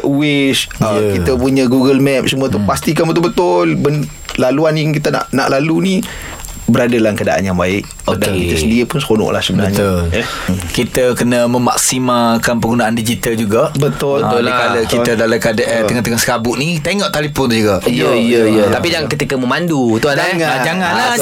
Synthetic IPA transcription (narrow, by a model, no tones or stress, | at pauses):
uwɪskit̪əpuɲəɡuɡəlmɛp̚səmũət̪upast̪ikanbət̪ʊlbət̪ʊlbən | laluanjaŋkit̪əna̰ʔna̰ʔlaluni | bəɾadalahkada̰ʔa̰njaŋbaɪʔ | ədkisəndiəpʊnsəkonɔ̰ʔla̰hsəbəbnaɲlkit̪əkənəməma̰k̚simakanpəɡunaʔandid͡ʒit̪ald͡ʒuɡaʔbət̪ʊakadakiədalakadaʔ̪əŋat̪əŋasəkabʊʔnit̪eŋɔʔt̪alipʊnd͡ʒuɡaʔijəijəijət̪apijaŋkət̪ikəməmandut̪uaad͡ʒaŋana